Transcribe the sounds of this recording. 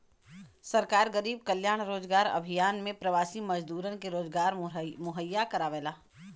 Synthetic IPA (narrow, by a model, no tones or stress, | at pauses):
sɐɾkaːɾɡəɾiːb̚kəljaːɽ̃ɾoːzɡaːɾɐ̰bʱijaːnmẽpɾɐʋaːsimɐd͡ʒd̪uːɾənkeɾoːzɡaːɾmʊɦəjːakɐɾaːʋeːlaː